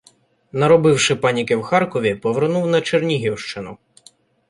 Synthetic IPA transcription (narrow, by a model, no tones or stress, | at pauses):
nɐɾɔbɪwʃɪpɑnʲikɪwxɑrkɔʋʲipɔʋernuwnɐt͡ʃernʲiɦʲiwʃt͡ʃɪnʊ